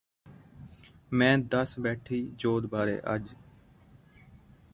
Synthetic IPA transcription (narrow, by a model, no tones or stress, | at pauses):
mɛ̃ːd̪əsbɛːʈʰiːd͡ʒoːd̪baːɾḛːʔə̰d͡ʒ